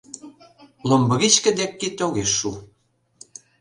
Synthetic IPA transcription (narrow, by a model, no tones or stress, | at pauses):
lombɤ̆ɣit͡ɕkə̆d̪ekːit̪oɣeʃːu